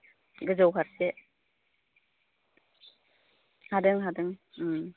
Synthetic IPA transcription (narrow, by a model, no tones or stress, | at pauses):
ɡɯzɔwkʰaɾse | hadɯŋɦadɯŋ